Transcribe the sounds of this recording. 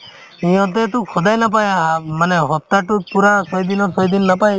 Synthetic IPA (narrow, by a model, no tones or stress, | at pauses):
iɔ̃t̪̬et̪ũkʰɔd̪ajnap̬ajaɦamaneɦɔp̚t̪aʈupuɾasɔjd̪inɔsɔjd̪inɔːapaj